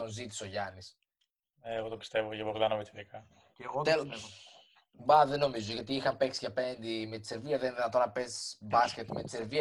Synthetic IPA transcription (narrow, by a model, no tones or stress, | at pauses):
o̞nzit̪i̥so̞ʝɐnis | eːɣo̞t̪opi̥st̪e̞vocevoɣt̪ɐnɐmet̪iðikɐ | ɣot̪el | bɐðeno̞mizoʝɐt̪iixɐmpe̞ksiʝɐpe̞nd̪imet̪i̥se̞ɾviɐðenðinɐt̪o̞nɐpe̞sbɐscet̪me̞t̪i̥seɾviɐ